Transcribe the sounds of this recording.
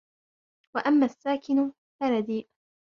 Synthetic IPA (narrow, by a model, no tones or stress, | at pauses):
waʔamːaːsːaːkɪn | faɾad̪iːʔ